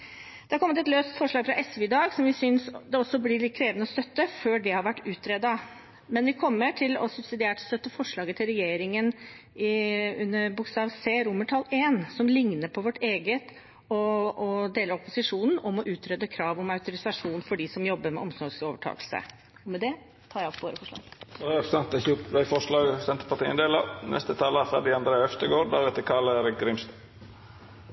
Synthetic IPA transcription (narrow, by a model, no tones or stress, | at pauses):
d̪̥ɛhɑɾkʰɔmət̪ɛt̪løːst̪fɔʂɭɑːɡfɾɑʔɛsʋʉɪd̪ɑːɡsɔmʋɪsʏnsd̪ɛɔsːɔblɪlɪkʰɾeːʋənəɔst̪œt̪ːəføːɖɛhɑɾʋæʈːʉːt̪ʰɾɛd̪ɑ | mɛnʋɪkʰɔmːəʈʰɪlɔsʉbsɪd̪ɪeːʈɔ̥st̪œt̪ːəfɔʂɭɑːɡət̪ʰɪlɾɛjeːɾɪŋən | ɪʉnːəɾbʊkst̪ɑːʋseːɾʊmːəʈʰɑleːnsɔmlɪŋnəpʰɔʋɔʈːeːɡət̪ | ɔɔd̪eːləɾɔpʊsɪʂuːnn̩ɔmɔʔʉːt̪ʰɾœd̪ːəkʰɾɑːʋɔmɑʉt̪ʊɾɪsɑʂuːnfɔɖɪsɔmjɔbːəɾmɛ̰ʔɔmsɔsoːʋəʈʰɑ̰ːklsə̰ | ɔmɛd̪ɛ | t̪ʰɑːɾjæɪɔpʰːʋoːɾəfɔʂlɑ̰ːɡɔsɑnt̪ɛçuːpʋæɪfɔʂlɑːɡsɛnt̪əpɑt̪iːə̰nd̪eːlɑnʔɛ̰st̪ət̪ʰɑːləæfɾæd̪ɪɑnd̪ɾeːœft̪əɡoːɾd̪æɾɛt̪ːəkʰɑləɾɡɾɪmst̪